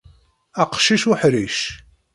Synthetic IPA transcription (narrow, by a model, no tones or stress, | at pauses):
æqʃiʃuħɾiʃ